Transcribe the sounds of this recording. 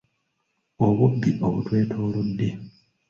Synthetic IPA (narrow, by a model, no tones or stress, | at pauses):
oβubːiʔo̞̰βṵtwe̞ːtʰoːlodːe